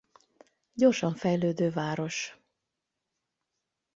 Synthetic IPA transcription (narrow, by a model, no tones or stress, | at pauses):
ɟo̞rʃɒɱfɛjløːd̪øːvaːɾo̞ʃ